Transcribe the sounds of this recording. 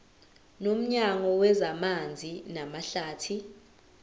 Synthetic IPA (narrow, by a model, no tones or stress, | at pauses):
nom̩ɲaŋɔwɛzamand͡zʱinamaɬaːtʰi